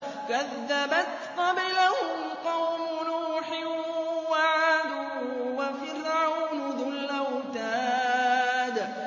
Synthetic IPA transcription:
kaðːabat̪t̪ˤːɑbɪlahʊʊmqɑwmʊnuħɪwaʕʕaːd̪uːwafɪrʕawnʊðʊlʔawt̪aː | d̪

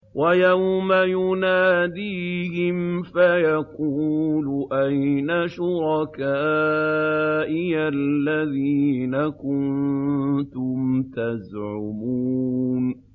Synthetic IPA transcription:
wʔajawmajʊnaːd̪iːhɪmfajaquːlʊʔajnaʃʊɾɑkaː | ʔɪalːaðiːnakʊn | t̪ʊmt̪azʕʊmuːn

